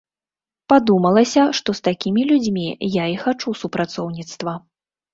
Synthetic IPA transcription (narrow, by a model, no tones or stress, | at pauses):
pad̪umɐlˠɐsʲɐʂt̪ɔst̪akʲimʲilʲud͡zʲmʲijaixat͡ʂusupɾʔat̪sɔwnʲit̪st̪vɐ